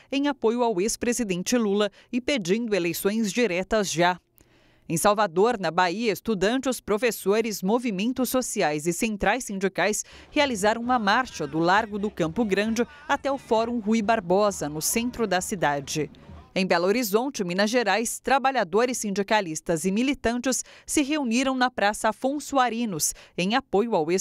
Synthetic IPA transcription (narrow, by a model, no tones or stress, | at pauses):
ẽj̃apojʊawespɾezid̪ẽnt͡ʃɪlulɐ | ɪped͡ʒĩnd̪ʊelejsõj̃zd͡ʒiɾɛt̪ɐzʒa | ẽj̃sawvad̪oɾnɐbaiɐest̪ud̪ɐ̃nt͡ʃɪʊspɾofesoɾɪzmovimẽnt̪ʊsːosiajzɪsẽnt̪ɾajsːĩnd͡ʒikajs | healizaɾɐ̃w̃ũɐmaɾʃɐd̪ʊlaɾɡʊd̪ʊkɐ̃mpʊɡɾɐ̃nd͡ʒɪ | at̪ɛʊfɔɾũɦuibaɾbɔzɐnʊsẽnt̪ɾʊd̪ɐsid̪ad͡ʒɪẽj̃bɛloɾizõnt͡ʃɪmĩnɐʒeɾajst̪ɾabaʎad̪oɾɪsːĩnd͡ʒikalist̪ɐzɪmilit̪ɐ̃nt͡ʃɪsːɪɦeuniɾɐ̃w̃nɐpɾasɐafõsuaɾĩnʊsẽj̃apojʊawe